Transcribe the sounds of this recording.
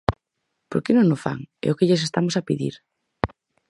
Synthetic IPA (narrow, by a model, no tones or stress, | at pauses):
poɾkɪnõŋnosfa̰ŋɛ̰ʊkɪʎes̬est̪amosapiðḭɾ